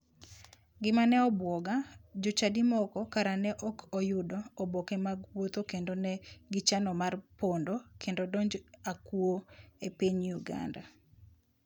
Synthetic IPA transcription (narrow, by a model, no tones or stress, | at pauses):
ɡɪmanɛɔbwɔɡad͡ʒot͡ʃadimɔkɔkaɾanɛʔɔkʰɔjʊdɔːbɔkɛmaɡwot̪okendonɛɡɪt͡ʃanɔmarpondokʰendodoɲd͡ʒakuoepiɲjuɡa̰nda